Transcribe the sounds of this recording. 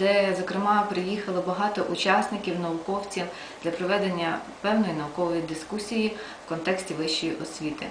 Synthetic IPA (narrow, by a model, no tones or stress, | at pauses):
d̪ɛzɔkɾɪmɑpɾɪjixɐlˠɔbɐɦɑt̪ɔʔʊt͡ʃɑsʲnɪkʲiwnɐʋʊkɔwt͡sʲi | d̪̥lʲɐpɾɔʋɛd̪enʲːɐ | pɛwnɔjinɐʋʊkɔʋɔjid̪ɪskusʲiji | wkɔnt̪ɛksʲtʲiʋɪʃt͡ʃːijiʔɔsʲʋʲit̪ɪ̰